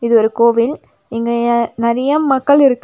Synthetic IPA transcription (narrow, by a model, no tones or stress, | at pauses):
ɪðɯɔɾɯkoːʋɪl | ɪŋɡeɐnɪɾɐjɐmɐkːɐɭɪɾɯkː